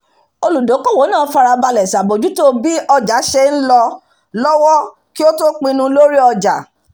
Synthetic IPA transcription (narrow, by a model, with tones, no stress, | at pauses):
o˧lu˨do˨˦kɔ˦˨wo˨˦nãː˦˨˦fa˧ɾa˧ba˧lɛ˨sa˨bo˨d͡ʒu˨˦to˦bi˦ɔ˧d͡ʒa˨˦ʃe˧n̩˦lɔ˧ | lɔ˦wɔ˦ | ki˦o˦to˦k͡pĩ˧nũ˧lo˦ɾi˦ɔ˧d͡ʒa˨